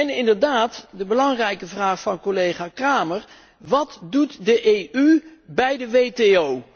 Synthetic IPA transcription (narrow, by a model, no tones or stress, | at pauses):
ɛnɪndəɹdaːtdəbəlɑŋrɛjkəvraːχfɑnkolejχaːkraːməɹ | ʋɑtdutdəʔejʔybɛjdəʋejteow